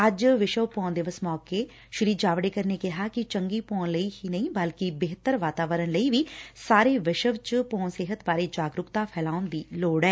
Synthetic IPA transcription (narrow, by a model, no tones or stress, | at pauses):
əd͡ʒʋɪʃəʋpɔ̃ːnd̪eːʋəsmɔːkeː | ʃʊɾiːd͡ʒaːʋɽeːkəɾneːkɪɦaːkɪt͡ʃəŋɡiːpoːnləiːhiːnəĩːbəlkɪbeːɦt̪əɾʋaːt̪aːʋəɾənləiːʋiːsaːɾeːʋɪʃəʋt͡ʃpoːnseːɦət̪baːɾeːd͡ʒaːɡɾʊkt̪aːpʰɛːlaːʊnd̪iːloːɽɛː